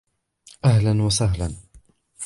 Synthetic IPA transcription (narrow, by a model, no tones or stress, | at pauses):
ʔaɦlanwasaɦla̰n